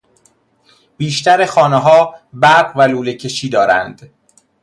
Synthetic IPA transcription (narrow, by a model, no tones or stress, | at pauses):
b̥iːʃt̪æɾexɒːneɦɒːbæɾɢvæluːlecʰe̞ʃiːd̪ɒːɾæ̰nd̪̥